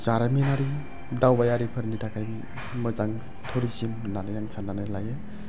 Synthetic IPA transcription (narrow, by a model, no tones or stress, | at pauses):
saɾaminaɾi | dawbajaɾipʰəɾnitʰakʰaj | mɯzaŋ | tʰoɾisimnanajaŋsʰananɯlaje